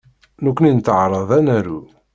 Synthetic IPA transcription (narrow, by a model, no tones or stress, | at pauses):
nukʷːnint̪ʕɾˤəðˤænæɾu